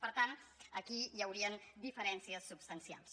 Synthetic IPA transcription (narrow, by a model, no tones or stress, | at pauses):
pəɾt̪anəkijəwɾiənd̪ifəɾɛnsiəsːubst̪ənsia̰lˠs